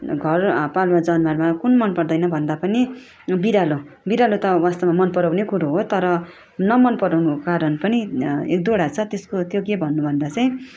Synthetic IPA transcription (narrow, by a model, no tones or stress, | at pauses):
ɡʱʌrpalmad͡zʌnmarmakunmʌnpʌrd̪ʌjnʌbʱʌnd̪apʌni | biɾalo | biɾalot̪ʌwast̪ʌmamʌnpʌɾawnekuɾoɦot̪ʌɾʌ | nʌmʌnpʌɾanokaɾʌnpʌniek̚d̪oɽat͡sʰʌt̪eskot̪jokebʱʌnːubʱʌnd̪at͡sʌj̃